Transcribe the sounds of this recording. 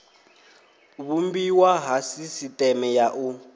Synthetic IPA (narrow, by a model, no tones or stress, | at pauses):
βumbiwaɦasisitʼɛmɛjaʔu